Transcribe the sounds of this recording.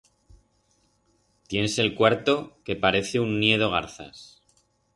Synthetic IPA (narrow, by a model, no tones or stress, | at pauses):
t̪je̞ne̞se̞lkwaɾt̪o̞ke̞paɾe̞θeunːje̞ð̞o̞ɣ̞a̰ɾθa̰s